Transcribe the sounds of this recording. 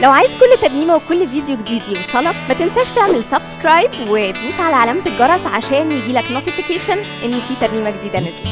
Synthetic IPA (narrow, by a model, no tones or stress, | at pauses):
læwʕaːjezkolːt̪æɾˤmiːmæwekolːviːd̪joɡed̪iːd̪iːwesˤɑlɑˤmæt̪ensæʃt̪eʕmelsɑbskɾɑjbwet̪miːsʕalæʕalæmt̪eɡɑɾˤɑsˤʕaʃɛːnjeɡ̪iːlæknot̪ifikeːʃæn | ʔenːifiːt̪æɾmiːmæɡed̪iːd̪æned̪i